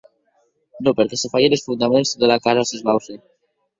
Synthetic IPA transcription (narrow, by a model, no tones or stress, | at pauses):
nopeɾkesefajelesfund̪amensðelakaɾasezβawθe